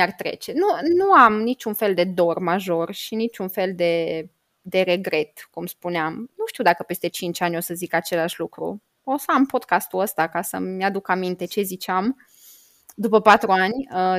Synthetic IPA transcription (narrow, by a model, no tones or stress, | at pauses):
art̪ɾe̞̰t͡ʃe̞nunuamnit͡ʃʲunfe̞ld̪e̞d̪o̞rmaʒo̞rʃinit͡ʃʲunfe̞ld̪e̞ | d̪e̞ɾe̞ɡɾe̞t̪kumspuneamnuʃt̪iuwd̪akəpe̞st̪e̞t͡ʃint͡ʃʲanʲjo̞səzikat͡ʃe̞laʃʲlukɾṵ | osoampo̞d̪kast̪uəst̪akasə̰mjad̪ukamint̪e̞t͡ʃe̞zit͡ʃeam | d̪upəpat̪ɾuanʲə